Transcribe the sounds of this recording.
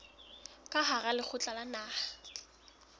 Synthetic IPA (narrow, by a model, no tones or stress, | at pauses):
kʼaɦaɣalɪk͡xʰʊt͡ɬʼalanaːh